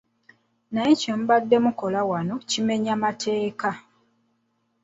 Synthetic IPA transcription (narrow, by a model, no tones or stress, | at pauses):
najecemuβadːe̞muko̞lawano̞cime̞ɲamatʰe̞ːka